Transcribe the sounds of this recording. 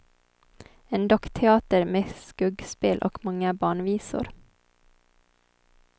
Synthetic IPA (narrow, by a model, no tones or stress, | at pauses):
eːnd̪ɔkt̪ʰɛɑːt̪əɾmeːskʉɡspɪlʔo̰ːkmɑŋəbɑːɳʋiːsʊ̰ɾ